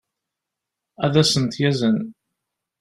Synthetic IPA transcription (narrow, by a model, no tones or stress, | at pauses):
æðæsənt̪jæzən